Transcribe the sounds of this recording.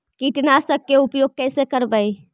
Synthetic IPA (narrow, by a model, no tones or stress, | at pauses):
kiʈnasəkkːeʊpjoɡ̚kɛːsekəɾbəi